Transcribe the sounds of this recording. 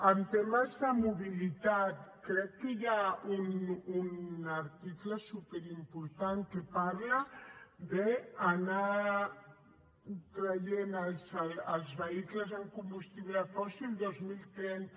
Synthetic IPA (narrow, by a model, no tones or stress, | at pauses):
ənt̪eməzðəmuβilit̪at̪kɾɛkːəjaununəɾt̪ikləsupeɾimpuɾt̪aŋkepaɾləd̪eːna | k̪ɾəʎenəlsəlˠzβəikləzəŋkumbust̪iβləfɔsilˠd̪ozmilˠt̪ɾɛnt̪